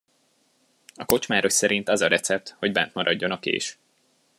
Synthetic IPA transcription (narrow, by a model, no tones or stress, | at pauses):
ɒko̞t͡ʃmaːɾoʃsɛɾint̪ɒzɒɾɛt̪sɛp̚t̪ho̞ɟbɛnt̪mɒɾɒɟːo̞nɒkḛːʃ